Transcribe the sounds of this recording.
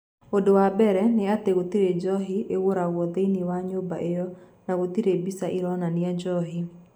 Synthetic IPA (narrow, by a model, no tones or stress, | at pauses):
odowabɛɾɛnɪat̪eɣot̪iɾed͡ʒɔɦiewoɾaɣwɔd̪einiwaɲoba̰ʔejɔ | naɣot̪iɾebisaʔiɾɔnanɪad͡ʒɔɦi